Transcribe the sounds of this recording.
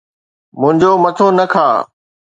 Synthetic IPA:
mʊ̃ɦɪ̃ɲd͡ʑoːmɐt̪ʰonɐkʰaː

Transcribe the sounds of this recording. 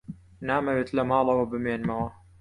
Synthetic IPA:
naːmɐweːt̪lɐmɑːlˠɐwɐbɨmeːnmɐwɐ

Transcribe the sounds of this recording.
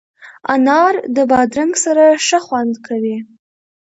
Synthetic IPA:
anɑɾd̪əbɑd̪ɾaŋɡsaɾaʂəxwand̪kʰawi

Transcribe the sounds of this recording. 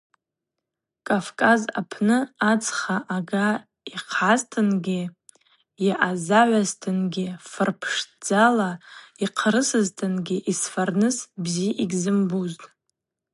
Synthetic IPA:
kʼafkʼaza̰pʰnɨat͡sʰʼχaʔaɡa | iqʰaztʰɨnɡʲɪ | jaʔazaʕʷaztʰɨnɡʲɪfɨrpʰʂd͡zalaiqʰɾɨsɨztʰɨnɡʲɪʔisfarnɨsbziʔiɡʲzɨmbuztʼ

